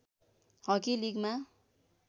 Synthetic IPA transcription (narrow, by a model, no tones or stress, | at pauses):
hʌkiliɡma